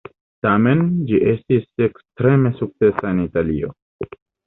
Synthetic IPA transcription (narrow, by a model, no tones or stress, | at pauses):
tamend͡ʒiʔestisekstɾeme̞suk̚t͡se̞saenitalḭo̰